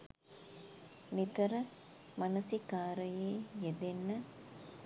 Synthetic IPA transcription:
nit̪ɐɾə | mɐnɐsikaːɾɐjeːjed̪enːɐ

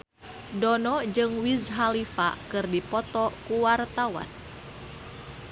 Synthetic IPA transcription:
dɔnɔd͡ʒɨŋwizɦalifa̰kɨrdipɔt̪ɔkuwart̪awa̰n

